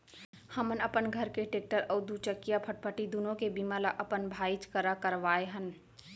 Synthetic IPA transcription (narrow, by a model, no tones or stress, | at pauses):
hɐmənəpənɡʱəɾkeʈeːk̚ʈəɾəːd̪ut͡ʃəkːijapʰəʈ̚pʰəʈid̪unõkebimalaʔɐpənbʱaːit͡ʃkəɾakəɾʋaːeɦən